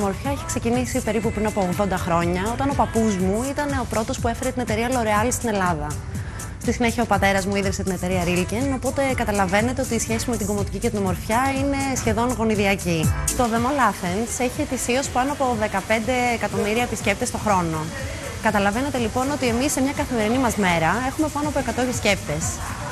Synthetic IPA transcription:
mo̞ɾfçɐiçi̥kse̞cinisipe̞ɾipupɾinɐpo̞oɣðo̞nd̪ɐxɾo̞ɲɐo̞t̪ɐno̞pɐpuzmuit̪ɐne̞o̞pɾo̞t̪o̞spue̞fe̞ɾet̪ine̞t̪e̞ɾiɐlo̞ɾeɐlist̪ine̞lɐðɐ | st̪isine̞çiɐopɐt̪e̞ɾɐzmuiðɾiset̪ine̞t̪e̞ɾiɐɾilceno̞po̞t̪e̞kɐt̪ɐlɐve̞ne̞t̪e̞o̞t̪iːsçe̞sime̞t̪iɡo̞mot̪icicet̪inomo̞ɾfçɐine̞sçe̞ðo̞nɣo̞niðiɐcit̪o̞ðe̞molɐθense̞çie̞t̪isio̞spɐnoɐpo̞ðe̞kɐpe̞nd̪e̞ːkɐt̪omiɾiɐepisce̞p̚t̪est̪o̞xɾo̞no̞ | kɐt̪ɐlɐve̞ne̞t̪e̞lipo̞no̞t̪ie̞misːemɲɐkɐθime̞ɾinimɐzme̞ɾɐe̞xume̞pɐno̞ɐpoekɐt̪oepisce̞pt̪e̞s

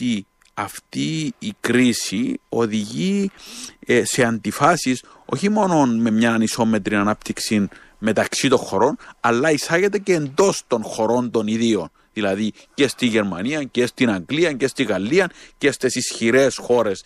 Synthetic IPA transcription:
i | ɐft̪iːkɾisio̞ðiʝi | se̞ɐnd̪ifɐsis | o̞̰çimo̞no̞nme̞mɲɐniso̞me̞t̪ɾinɐnɐpt̪iksin | me̞t̪ɐksit̪o̞nxo̞ɾo̞nɐlːɐisɐɣe̞t̪e̞ceːnd̪o̞st̪o̞nxo̞ɾo̞nt̪o̞niðio̞n | ðilɐði | ce̞st̪iʝe̞ɾmɐniɐcest̪inɐŋɡliɐɲcest̪iɣɐlːiɐncest̪esisçiɾesxo̞ɾe̞s

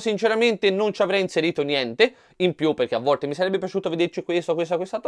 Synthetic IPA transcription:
sint͡ʃeɾament̪enont͡ʃiavɾɛjinseɾiːt̪onjɛnt̪e | impjupːerk̟eavːɔlt̪emisaɾɛbːep̬jat͡ʃuːt̪oved̪ert͡ʃikwest̪okwest̪akwest̪at̪

